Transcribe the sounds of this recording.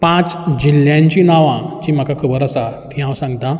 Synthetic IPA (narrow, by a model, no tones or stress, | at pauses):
pãt͡sd͡ʑiljãɲt͡ɕinaʋãt͡ɕim̤akakʰəbəɾasat̪iɦãwsãŋɡt̪ã